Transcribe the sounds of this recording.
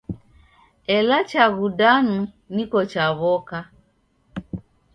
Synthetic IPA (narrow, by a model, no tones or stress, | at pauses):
ɛlat͡ʃaɣudanu | nikɔt͡ʃaβɔka